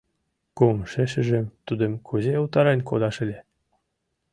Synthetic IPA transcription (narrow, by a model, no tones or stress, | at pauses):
kumʃĕʃɘ̆ʒĕmt̪ud̪ə̆mkʰuzeult̪ɑɾenʲko̰d̪ɑʃɘ̆lʲĕ